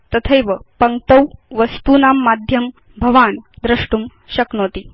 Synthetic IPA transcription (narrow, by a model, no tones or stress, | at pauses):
t̪ɐt̪ʰɐjʋɐpɐŋkt̪ɐwʋɐst̪uːnaːmːaːd̪ʱjɐm | bʱɐʋaːnd̪ɾɐʂʈum | ʃɐknoːt̪i